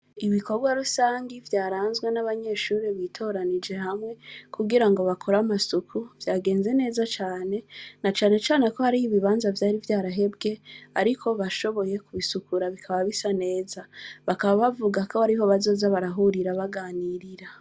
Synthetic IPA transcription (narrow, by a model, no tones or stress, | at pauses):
iβiko̞ɾɡwaɾusaːŋɡivjaːɾaːnzɡwe̞naβaɲe̞ːʃuːɾiβitʰo̞ːɾanid͡ʒe̞hamŋe̞kʰuɡiɾaŋɡo̞βakʰoɾamasukʰuvjaːɡe̞ːnzene̞ːzat͡ʃaːne̞nat͡ʃaːne̞t͡ʃaːne̞ko̞haɾihiβiβaːnzavjaːɾivjaːɾaɦe̞b̚ɡe̞aɾikʰo̞βaʃo̞βo̞je̞kuβisukuɾaβikʰaβaβisane̞ːzaβakaβaβavuɡakohaɾiɦo̞βazo̞ːzaβaɾaɦuɾiɾaβaɡaːniɾiɾa